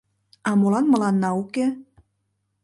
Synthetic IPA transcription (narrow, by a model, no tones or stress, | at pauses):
ɑmolɑnmɤ̆lɑnːɑuke